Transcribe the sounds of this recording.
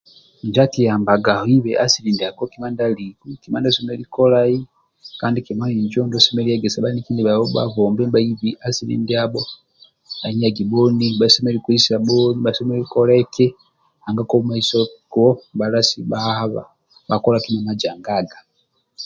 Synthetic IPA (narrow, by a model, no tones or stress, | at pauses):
ɲd͡ʒatijaːmbaɡahoiβeʔasilindiaɡokimandalikukimandasomelikolai | kaːndikimaniɲd͡ʒoːndosemelieɡesabalinikiːndiβaβoba̰vombembaiβiʔasiɾḭːndiabo | baɲaɡibonibasemelikuisiaboniβasemelikoleke | aŋɡakomaisoɡobalasiβahaβa̰ | βakolakimamad͡ʒaːŋɡaːɡḁ